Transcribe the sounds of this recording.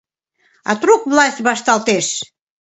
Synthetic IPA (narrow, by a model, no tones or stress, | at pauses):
ɑ̰t̪rukβlɑsʲtʲβɑʃt̪ɑlt̪eʃ